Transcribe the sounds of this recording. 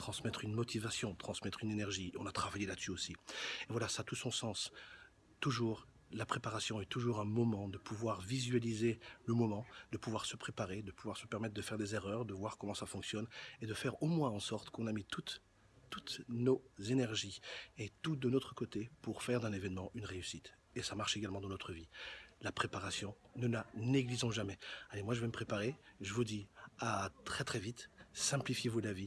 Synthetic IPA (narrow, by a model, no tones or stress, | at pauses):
t̪χɑ̃smɛt̪χynmɔt̪ʰivasjɔ̃t̪χɑ̃smɛt̪χynenɛʁʒiɔ̃nat̪χavajelad̪syosievwalasat̪usɔ̃sɑ̃s | t̪uʒuːʁ | lapχepaʁasjɔ̃ɛt̪uʒuʁɛ̃mɔmɑ̃d̪əpʰuvwaʁvizɥalizeləmɔmɑ̃d̪̥əpuvwaʁsəpχepaʁed̪əpuvwaʁsəpɛʁmɛt̪χd̪əfɛʁd̪ezeʁœʁd̪əvwaʁkɔmɑ̃safɔ̃ksjɔned̪əfɛʁomwɛ̃ɑ̃sɔʁt̪kɔ̃namit̪ut̪ | t̪ut̪nozenɛʁʒiet̪ud̪ənot̪χəkot̪epuʁfɛʁd̪ɛ̃nevɛnmɑ̃ʔynʁeysit̪ | esamaʁʃeɡalmɑ̃d̪ɑ̃nɔt̪χəvilapχepaʁasjɔ̃nəlaneɡlizɔ̃ʒamɛalemwaʒəvɛməpχepaʁeʒəvud̪iat̪χɛt̪χɛvit̪sɛ̃plifjevulavi